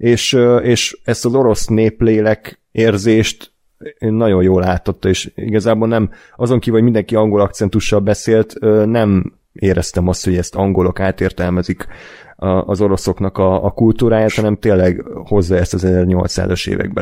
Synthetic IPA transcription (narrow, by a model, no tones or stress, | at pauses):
eːʃøeːʃɛst̪ɒzo̞ɾo̞sneːpleːlɛk | eːrzeːʃt̪ː | nnɒɟo̞joːlaːt̪ːot̪ːɒeːʃḭɡɒzaːbolnɛm | ɒzo̞ŋkivɒɟmind̪ɛŋkiɒŋɡo̞lɒkt̪sɛnt̪uʃːɒlbɛseːlt̪ønɛm | eːɾɛst̪ɛmɒst̪ho̞ɟɛst̪ɒŋɡo̞lo̞kaːt̪eːrt̪ɛlmɛzik | ɒzo̞ɾo̞so̞knɒkɒːkult̪uːɾaːjaːt̪hɒnɛmt̪eːlːɛɡho̞zːɒɛst̪ɒzɛzɛrɲo̞lt̪sa̰ːzoʃḛːvɛ̰ɡ̚bɛ̰